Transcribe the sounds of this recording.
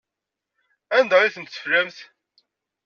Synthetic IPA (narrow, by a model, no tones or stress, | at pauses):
ænd̪əʁiθənt̪sə̥fləmθ